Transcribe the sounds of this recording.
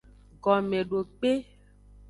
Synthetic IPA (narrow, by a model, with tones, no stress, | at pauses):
ɡɔ˨mẽ˨ɖo˨k͡pe˦